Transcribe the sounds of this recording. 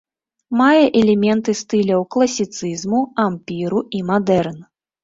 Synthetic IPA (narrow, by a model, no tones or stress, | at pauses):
majɛʔɛlʲɛmʲɛnt̪ɨst̪ɨlʲɐwklˠɐsʲit̪sɨzmuampʲiɾuʔimad̪ɛrn